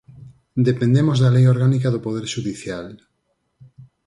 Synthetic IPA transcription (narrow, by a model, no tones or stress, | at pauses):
d̪epẽnd̪emozðɐlejoɾɣanikaðopoð̞eɾʃuðiθjal